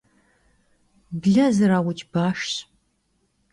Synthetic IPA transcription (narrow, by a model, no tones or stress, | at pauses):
bɮɐzɨɾaːwʊt͡ʃʰʼb̥aːʂɕ